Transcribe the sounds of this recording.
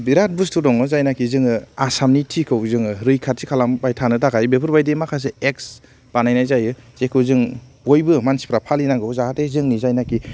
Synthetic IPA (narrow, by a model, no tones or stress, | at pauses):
biɾat̚bɾustʰudɔŋɯzajnakʰizɯŋɯasamnitʰikʰɯwzɯŋɯɾɯjkʰat̚sikʰalambajtʰanɯtakajbepʰɯɾbajdemakʰas̬eeks | b̥anajnajzajɯzekʰɯwzɯŋbojbɯmansi̥pʰɾapʰalinaŋɡɯwzahatezɯŋnizajnaki